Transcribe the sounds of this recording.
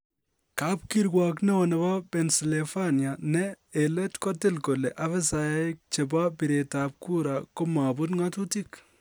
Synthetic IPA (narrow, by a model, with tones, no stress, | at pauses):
kap̚kiɾɡwak̬nɛ˦ɔnɛ˨ba˦pɛ˨nsi˨lefanijanɛː | lɛ˦tkɔ˦tɪ˦lko˨lɛ˨ʔa˦βɛ˦sajk̚t͡ʃe˨bapiɾetap̚ku˦ɾako˦ma˨bʊ˦tŋatu˦tik